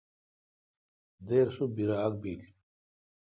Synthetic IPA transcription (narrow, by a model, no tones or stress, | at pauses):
d̪eːɾsubiɾaːk̚bil